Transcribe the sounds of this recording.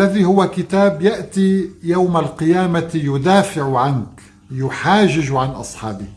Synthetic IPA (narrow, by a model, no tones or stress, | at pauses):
lːaðihʊwakɪt̪aːbjaʔt̪ijawmalqɨjaːmajʊd̪aːfɪʕʕank | jʊħaːʒɪd͡ʒʕanʔɑ̰sˤħɑːbɪ